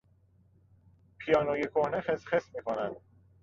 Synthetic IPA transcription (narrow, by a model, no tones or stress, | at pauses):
pʰijɒːnojekʰohnexesxesmiːkʰonænd̪̥